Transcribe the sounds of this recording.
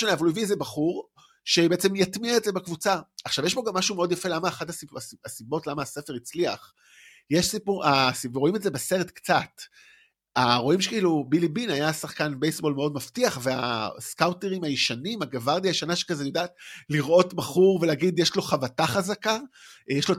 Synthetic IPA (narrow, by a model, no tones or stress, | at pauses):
aneavalujeviezebaχuʁ | ʃebeet͡se̞mjatmiaetzebekvut͡saaχʃavjeʃbo̞ɡamːaʃumeo̞djafe̞lamaːχatasiaasibo̞tlamaːsefe̞ʁit͡sliaχ | jeʃsipuasivo̞imetze̞bese̞ʁetkt͡sat | aʁo̞imʃekiilubilibinajasaχkanbejsbo̞lmeo̞dmaftiaχve̞a̰skawteʁimajiʃanimaɡavaʁdiajʃanaʃe̥kazejodaːtliʁʔo̞tbaχuʁveleaɡidjeʃlo̞χavataχazakajeʃlo